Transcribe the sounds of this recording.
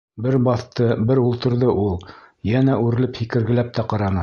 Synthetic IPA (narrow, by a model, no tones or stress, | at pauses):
bɘɾbɑθt̪ɤbɘɾulˠt̪ɤ̆ɾðɤʔulˠjænæʔʉɾɘ̆lɘphikɘ̆ɾɡɘ̆læp̚t̪æqɑɾɑnɤ